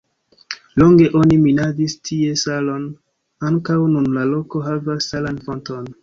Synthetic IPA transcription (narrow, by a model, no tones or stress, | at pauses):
lo̞ŋɡe̞ʔo̞niminaɡistʰie̞salo̞n | aŋkawnunlalo̞ko̞ɦavasːalanfo̞nto̞n